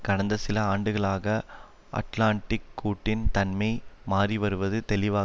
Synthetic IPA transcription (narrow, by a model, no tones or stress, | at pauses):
kɐɽɐnd̪ɐsɪlɐaːɳɖɯɣɐɭaːɣɐ | ʔɐ̰ʈlaːɳʈɪkːuːʈːɪnt̪ɐnmɐɪmaːriʋɐɾɯʋɐðɯt̪ɛlɪʋaː